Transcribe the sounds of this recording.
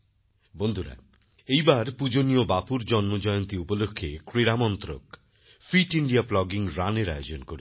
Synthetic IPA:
bond̪ʱuɾa̰ | ejbaɾpud͡ʑoniobapuɾd͡ʑɔnmod͡ʑɔjont̪iupolokʰːekɾeɾamɔnt̪ɾo̰k | fiʈiɳɖiaplɔɡiŋɾaneɾa̰jod͡ʑonkoɾe

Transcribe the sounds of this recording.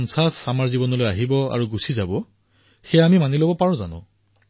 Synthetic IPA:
nsasamaɹzibɔnɔlojaɦibɔa̰ɹuɡusizabɔ | xejamimanilobɔpaɹɔ̃za̰nʊ̰̃

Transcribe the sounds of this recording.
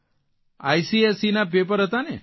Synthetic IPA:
ajsiesinap̬ep̬əɾɦət̪ane

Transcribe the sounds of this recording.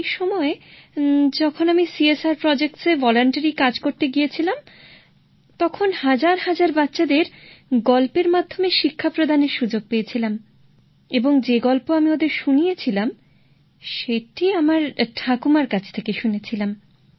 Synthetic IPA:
jʃɔmɔe | d͡ʑɔkʰonamisiesaɾpɾɔd͡ʑek̚ʈsevɔloɳʈaɾikad͡ʑkoɾt̪eɡijet͡ɕʰilam | t̪ɔkʰonhad͡ʑaɾhad͡ʑaɾbatːɕad̪eɾɡɔlpeɾmad̪ʱːomeʃikʰːapɾod̪ʱaneɾʃud͡ʑoɡ̚pejet͡ɕʰilam | eboŋd͡ʑeɡɔlpoamiod̪eɾʃunijet͡ɕʰilam | ʃeʈiamaɾʈʰakumaɾkat͡ɕʰe̥t̪ʰekeʃunet͡ɕʰilam

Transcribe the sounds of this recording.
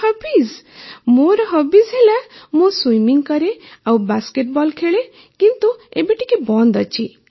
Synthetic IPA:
hʌbiz | moɾɔɦɔbizɦelamoswujmiŋɡkʌɾeawbaskeʈ̚bɔlkʰeɭe | kint̪uebeʈikebɔnd̪ɔt͡ʃʰi

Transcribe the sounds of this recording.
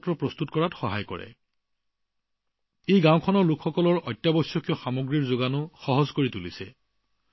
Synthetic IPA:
tɹɔpɹɔst̪utkɔɹatxɔɦajkɔ̰ɹɛ̰ | ejɡãw̃kʰɔnɔɹlukʰxɔkɔlɔɹɔtːjabɔsjɔkiɔxamoɡɹiɹzoɡanʊxɔɦɔzkoɹitulisɛ̰

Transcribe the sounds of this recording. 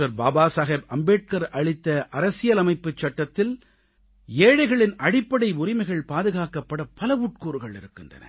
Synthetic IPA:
ɐɾbaːbaːsɐɣeːbɐmbeːʈ̚kɐɾʔɐɻɪt̪ːɐʔɐɾɐsɪjɐlɐmɐɪpːɯt͡ʃːɐʈːɐt̪ːɪl | eːɻɐɪɣɐɭɪnʔɐɽɪpːɐɽɐɪʊrɪmɐɪɣɐɭpaːðɯɣaːkɐpːɐɽɐpːɐlɐʋuːʈ̚kuːɾɯɣɐɭɪ̰ɾɯkːɪndrɐ̰nɐ̰

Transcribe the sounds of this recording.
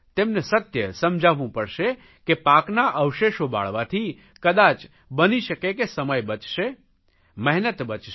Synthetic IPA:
t̪emnesət̪jəsəmd͡ʒʱaʋũpəɽʃe | kepaknaʔəʋʃeʃoba̰ɭʋat̪ʰi | kəd̪at͡ʃ | bəniʃəkekesəməjbət͡ʃʃe | mɛɦnət̪bət͡ʃʃe

